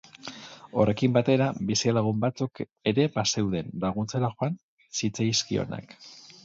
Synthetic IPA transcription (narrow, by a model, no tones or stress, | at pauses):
o̞re̞kimbat̪e̞ɾabisialaɣ̞umbat͡suk | e̞ɾe̞base̞wðe̞nlaɣ̞unt͡seɾaxoan | sit͡sajskio̞̰na̰k